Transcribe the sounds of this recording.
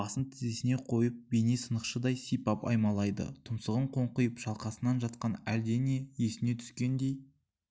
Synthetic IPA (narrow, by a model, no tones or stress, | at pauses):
ɑsənt̪ʰɪzesɪne̞qʰo̞jəp̚bene̞sənəqʃəd̪ɑjsijpɑpɑ̰jmɑlˠɑjd̪ə̰t̪ʰʊmsəʁəɴqʰo̞ɴqəjəpʒ̥ɑlˠqɑsənɑnʒɑt̪̚qɑnæld̪ene̞je̞sɪne̞t̪ʰʏ̥skʲe̞nd̪e̞j